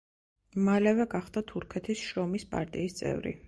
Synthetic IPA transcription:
malɛvɛɡaχd̪at̪ʰuɾkʰɛt̪ʰisʃɾɔmispʼa̰ɾt̪ʼiːst̪sʼɛ̰vɾḭ

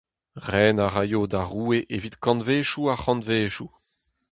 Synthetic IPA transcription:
ʁɛːnaʁajoːd̪aʁuːeʔevit̪kɑ̃nveːʃuaχɑ̃nveːʃu

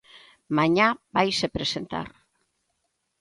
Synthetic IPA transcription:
maɲabajsepɾe̞se̞nt̪a̰r

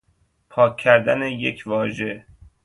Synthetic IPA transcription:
pʰɒːkʰːæɾd̪ænejecʰvɒːʒe

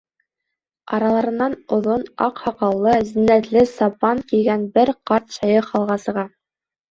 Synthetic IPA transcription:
ɑɾɑlˠɑɾɤ̆nːɑnŏðonɑ̰qhɑqɑlˠːɤzinːæt̪lɘsɑpɑŋkiɡænbɘɾqɑɾt̪ɕɑjɤχɑlˠʁɑsɤ̆ʁɑ

